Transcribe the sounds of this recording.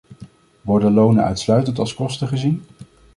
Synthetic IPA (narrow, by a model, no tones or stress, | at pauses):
ʋɔɹdəlownənœ̰ɥtslœɥtəntɑlˠskɔstəχəzin